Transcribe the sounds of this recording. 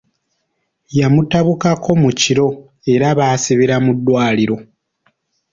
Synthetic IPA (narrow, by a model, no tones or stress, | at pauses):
jamutaβukakʰo̞muciɾo̞ | e̞ɾaβaːsiβiɾamudːwaːliɾo̞